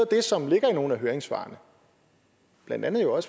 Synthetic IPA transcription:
d̥e̝sɒ̽mle̝ɡ̥ɐino̝ːn̩æɦøːɐeŋsʋɑ̰̈ːnə | b̥lænd̥ænð̩ˠjoɒ̽s

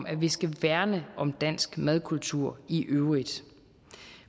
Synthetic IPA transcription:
mæʋisɡ̥æʋæɐnəʔɒ̽md̥æn̰sɡ̥mæð̞ˠkʰult͡sʰuɐ̰iʔøʊʁid̥

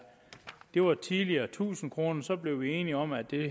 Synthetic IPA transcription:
d̥e̝ʋɑ̈t͡sʰiðˠliɐːt͡sʰṵːsn̩kʰʁo̝ːnɐsɒ̽b̥le̝ʊʋie̝ːniɒ̽mæd̥e̝

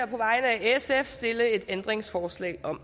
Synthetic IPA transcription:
ɐ̰pʰɒ̽ʋɑ̈ɪnəæesefsd̥e̝ləe̝d̥end̥ʁeŋsfɒːslɛ̰ːɒ̽m̰

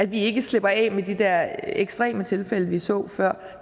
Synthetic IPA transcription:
æd̥ʋie̝ɡ̥əsle̝b̥ɐɛ̰med̥id̥ɛɐ̰eɡ̥sd̥ʁɛ̰ːmət͡sʰe̝lfeləʋisɔ̰̽ːfɶɐ̰

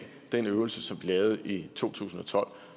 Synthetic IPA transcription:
d̥enøʊl̩səsɒ̽mb̥lilɛːʊð̞̩ˠit͡sʰo̝̰ːt͡sʰṵːsn̩ɒ̽t͡sʰɒ̽l̰

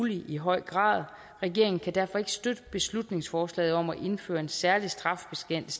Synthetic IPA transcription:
liʔiɦɒ̽ɪ̰ɡ̥ʁɑ̰̈ːð̞ˠ | ʁɛɡ̥e̝ɐ̰e̝ŋn̩kʰæd̥æɐ̰fɒ̽e̝ɡ̥ə̥sd̥ød̥əb̥e̝slud̥ne̝ŋsfɒːslɛ̰ːð̩ˠɒ̽m̰æʔe̝nfø̰ːɐe̝nsæɐlisd̥ʁɑ̈fb̥e̝sɡ̥en̰l̩s

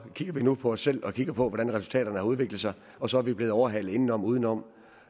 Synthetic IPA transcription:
kʰiɡ̥ɐʋinupʰɒ̽ɒsːel̰ɒ̽kʰiɡ̥ɐpʰɒ̽ʋɒɾ̥ænʁɛsult͡sʰɛ̰ːɾɐnəhɑ̈uð̞ˠʋe̝ɡ̥lð̩ˠsɑ̈ɪ | ɒ̽sɒ̽æɐʋib̥le̝ð̩ˠɒʊɐɦælð̩ˠe̝nn̩ɒ̽m̰uːð̞ˠn̩ɒ̽m̰

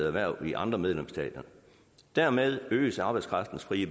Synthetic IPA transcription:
æʋæɐ̰iʔɑ̈nd̥ʁɐmeð̞ˠlemsd̥ɛ̰ːd̥ɐ | d̥æɐmeð̞ˠø̰ːəsɑ̈b̥ɑ̈ɪ̥skʰʁɑ̈fd̥n̩sfʁiːəb

